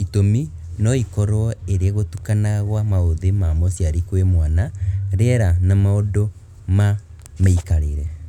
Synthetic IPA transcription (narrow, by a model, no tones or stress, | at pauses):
itominɔikɔɾɔeɾeeɣotukanaɣwamaoðemamɔsjaɾikwemwanaɾɛɾanamaodo | ma | maikaɾeɾɛ